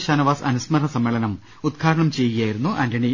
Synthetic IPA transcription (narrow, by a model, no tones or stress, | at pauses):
ɕaːnɐʋaːsɐ̰nusmɐɾɐsɐmːeːɭɐnɐm | ud̪̚ɡʰʱaːɾɐɳɐmt͡ɕe̞jjaːjiɾunːuʔɐndɐɳi